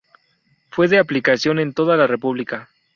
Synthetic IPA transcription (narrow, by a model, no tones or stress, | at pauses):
fwe̞ðe̞aplikasjo̞ne̞nt̪o̞ðalare̞puβlika